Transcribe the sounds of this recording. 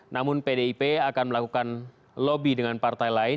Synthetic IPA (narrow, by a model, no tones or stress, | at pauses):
nʔamʊnpedeipeakanməlakukan | lobidəŋanpart̪ajlaɪ